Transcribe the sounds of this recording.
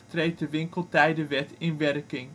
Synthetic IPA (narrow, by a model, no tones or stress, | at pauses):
trejt̚dəʋɪŋkəlˠtɛjdəʋɛtɪnʋɛrkɪŋ